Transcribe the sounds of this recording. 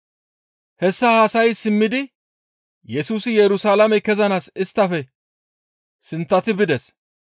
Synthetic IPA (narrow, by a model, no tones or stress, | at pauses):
hɛsːɐhaːsɐjsɪmːɪd̪ɪ | jɛsuːsɪjɛɾʊsaːlɐmɛkɛzɐnaːsɪst̪ːɐfɛ | sɪnt͡sːɐt̪ɪbɪd̪ɛs